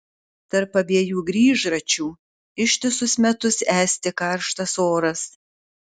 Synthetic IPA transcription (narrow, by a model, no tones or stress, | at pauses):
t̪ɐɾpːɐbʲiɛjuːɡɾʲiːʒɾɐt͡ʃʲuː | ɪʃʲt̪ʲɪsʊsmʲɛt̪ʊsæːsʲt̪ʲɪkɐɾʃt̪ɐsoːɾɐs